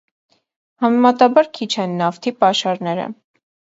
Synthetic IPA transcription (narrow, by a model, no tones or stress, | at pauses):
hɑmɛmɑt̪ɑbɑɾkʰit͡ʃʰɛnːɑft̪ʰipɑʃɑɾnɛɾə̰